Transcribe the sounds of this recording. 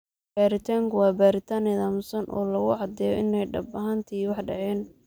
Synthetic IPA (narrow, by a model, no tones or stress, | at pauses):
baːɾɪt̪ʰaːŋkʰʊwɑːbaːɾɪt̪ʰaːnɪðɐmʊsɐnʔɔ̰ːlɐɣʊʕɑd̪ɛːjɔ̰ʔɪnɛjɖɐbɐɦɐnt̪ʰiwɑħɖɐ̰ʕɛːn